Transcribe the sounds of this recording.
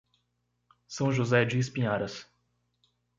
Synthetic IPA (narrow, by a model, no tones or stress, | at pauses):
sɐ̃w̃ʒozɛd͡ʒiɪs̬pĩɲaɾɐs